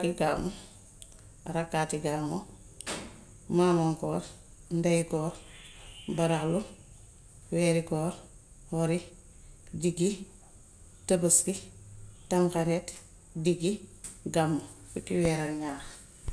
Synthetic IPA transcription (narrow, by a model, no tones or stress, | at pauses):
kiɡa̰ːmu | ɾakːatiɡaːmo | mamaŋkɔːɾ | ndajkɔːɾ | baɾaklu | wɛːɾikɔːɾ | wɔɾi | diɡi | təbəskitaŋkaɾet | diɡiɡamːofukːiwɛːɾalɲaːx